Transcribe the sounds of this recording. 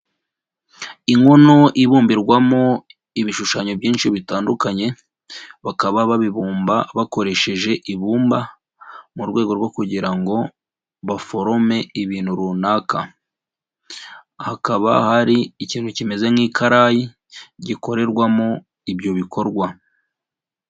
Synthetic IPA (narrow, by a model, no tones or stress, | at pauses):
iŋo̞no̞ʔiβuːmbiɾɡwamo̞ | iβiʃuʃaɲo̞bɟiːnʃiβitaːndukaɲe̞ | βakaβaβaβiβuːmbaβako̞ɾe̞ʃe̞ʒe̞ʔiβuːmba | muɾɡwe̞ːɡo̞ɾɡokuɟiɾaŋɡo̞ | βafo̞ɾo̞me̞iβiːnhuɾunaːkʰa | hakaβa̰haɾiːciːnhucime̞ze̞mŋiːkʰaɾaji | ɟiko̞ɾe̞ɾɡwamo | ibjo̞βikʰo̞ɾɡwa